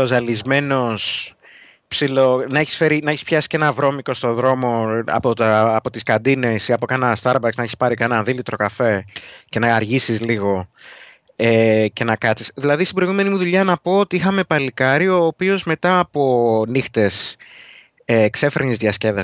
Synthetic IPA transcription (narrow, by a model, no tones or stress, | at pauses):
ozɐlizme̞no̞s | psilo̞nɐe̞çi̥sfe̞ɾinɐeçispçɐsi̥ce̞nɐvɾo̞miko̞st̪o̞ðɾo̞mo̞ɐ̰pot̪ːpo̞t̪iskɐd̪ine̞siɐpokɐnɐst̪ɐɾbɐksnɐeçi̥spɐɾikɐenɐðilit̪ɾo̞kɐfe̞ce̞nɐːɾʝisizliɣo̞ | ece̞nɐkɐt͡si̥sðilɐðist̪ibɾo̞iɣume̞nimuðuʎɐnɐpo̞ot̪iixɐme̞pɐlikɐɾio̞ːpio̞zme̞t̪ɐːpo̞nixt̪e̞s | ekse̞fe̞ɾinizðiɐsce̞ðɐ